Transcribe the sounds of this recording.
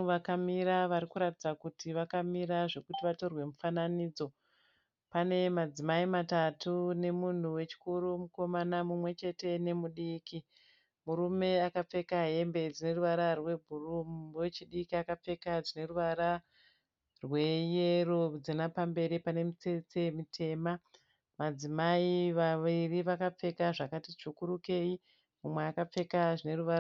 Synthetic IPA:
ʋakamiɾaʋaɾikuɾatid͡zakutiʋakamiɾaʐe̞kutiʋato̞rwe̞mufananiːd͡zo̞ | pane̞mad͡zimaimatatʰune̞mun̤uwe̞t͡ʃi̥kuɾumuko̞manamumwe̞t͡ʃe̞te̞ne̞muɗiːki | muɾume̞akap͡fe̞kaɦe̞mbe̞d͡zine̞ruʋaɾarwe̞bʱurumwet͡ʃiɗikiakap͡fe̞kaʐine̞ruʋaɾa | rwe̞jerod͡zinapambe̞ɾipane̞mit͡set͡semitʰe̞ma | mad͡zimaiʋaʋiriʋakap͡fe̞kaʐakatit͡ʃukuɾuke̞i | mumweakap͡fe̞kaʐine̞ruʋaɾa

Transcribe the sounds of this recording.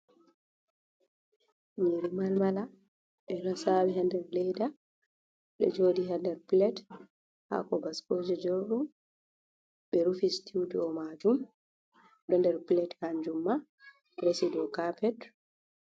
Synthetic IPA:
ɲiɾimalmala | ɓɛɾasawɛɦandɛɾlɛjda | ɗɛ̰d͡ʒoːdiɦandɛɾplɛt | ha̰kɔbaskod͡ʒɛd͡ʒoɾɗum | ɓɛɾufistʰudiɔmad͡ʒum | ɗɔndɛɾplɛthaɲd͡ʒumːa | ɾesidɔkapɛt

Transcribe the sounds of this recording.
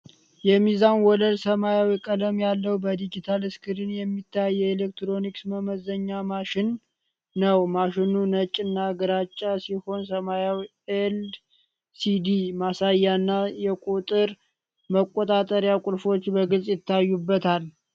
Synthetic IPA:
jɛmizanwɔləlsəmajawikʼələmjalːəwbəd̪id͡ʒit̪ʰalɨskʰɨɾɨnjɛmːit̪ʰːajːɛelek̚t̪ɾo̞niksməməzəɲːamaʃɪnː | əwmaʃɪnunət͡ʃʼːɨnːaɡəɾat͡ʃʼːasiho̞nsəmajawi | el | sid̪imasajːanːajɛkʼut̪ʼɨɾ | məkʼːot̪ʼat̪ʼəɾjakʼulfo̞t͡ʃːbəɡɨlsʼjɪt̪ʰːajːubːət̪ʰal

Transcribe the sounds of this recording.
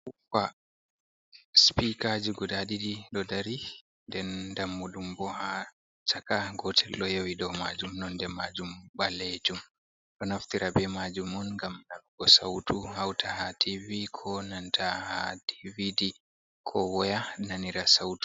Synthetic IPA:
fa | spikad͡ʒiɡɔdaɗidiɗɔdaɾi | ndɛndamːuɗumbɔha | t͡ʃakaɡɔtʰɛlɗɔjawiɗɔma̰d͡ʒumnɔndɛmad͡ʒumɓaled͡ʒum | ɗɔnaftiɾabɛmad͡ʒumɔnŋɡamnalɡɔsa̰wtʰuhawtʰahatʰivikʰɔnantʰaha̰tividi | kʰɔwɔjananiɾasawtu̥

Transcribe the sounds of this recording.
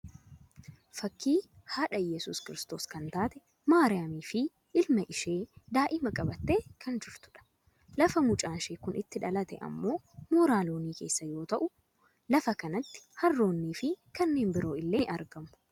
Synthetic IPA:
fɐkːiː | haːᶑɐjɛsʊ̰ːskɪɾɪst̪oːskɐnt̪aːt̪ɛ | maːɾɪjaːmiːfɪ | ʔɪlmɐʔɪʃe̞ːd̪aːʔɪmɐkʼɐbɐt̪ːe̞ːkʰɐnd͡ʒɪɾt̪ʊ̥ᶑɐ̥ | lɐfɐmʊt͡ʃʼaːnʃeːkʊnʔɪt̪ːɪᶑɐlɐt̪ɛ̰ʔɐ̰mːo̞ː | mɔːɾaːloːniːke̞ːsːɐjo̞ːt̪ɐʔʊ | lɐfɐkɐnɐt̪ːɪ̥hɐrːo̞ːnːiːfɪkɐnːe̞ːnbɪɾo̞ːɪlːe̞ːʔɐɾɡɐmʊ̥

